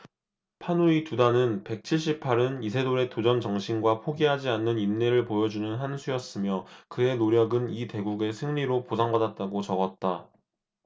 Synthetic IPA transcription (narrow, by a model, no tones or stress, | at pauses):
pʰanuitudanɯnpe̞k̚t͡ɕʰiɭɕ͈ipʰaɾɯnisʰe̞doɾe̞tod͡ʑʌnt͡ɕʌŋɕʰinɡwapʰoɡiɦad͡ʑianːɯninːeɾɯɭpojʌd͡ʑunɯnɦansʰujʌs͈ɯmjʌkɯe̞noɾjʌɡɯnite̞ɡuɡe̞sʰɯŋɲiɾoposʰaŋbadat̚t͈aɡot͡ɕʌɡʌt̚t͈a